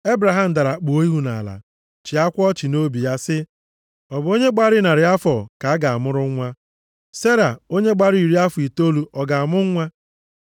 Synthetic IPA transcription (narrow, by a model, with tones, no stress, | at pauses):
e˦bɾa˨ɦa˦m̩˨da˨ɾa˨k͡po˨o˦i˦ɦu˦na̰˨la̰˨ | t͡ʃi˨a˦kʷɔ˦t͡ʃi˨no˦bi˨ja˦sɪ˦ | ɔ˨bo˦ɲe˦ɡ͡ba˦ɾɪ˦na˨ɾɪ˨a˦fɔ˨ka˨a˦ɡa˨a˨mʊ˦ɾʊ˦ŋʷ˦a˦ | se˦ɾa˨o˦ɲe˦ɡ͡ba˦ɾi˨ɾi˦a˦fʊ˨i˨to˦lu˨ʔɔ˨ɡa˨a˨mʊ˦ŋʷ˦a˦